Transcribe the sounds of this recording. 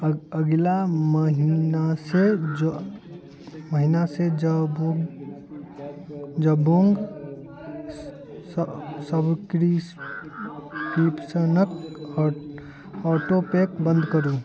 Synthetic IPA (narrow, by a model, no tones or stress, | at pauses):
əɡlaməɦinase | məɦinased͡ʒo | d͡ʒəboŋɡ | səbkɾi | kipsənək | ɔʈopekbə̃nd̪kəɾu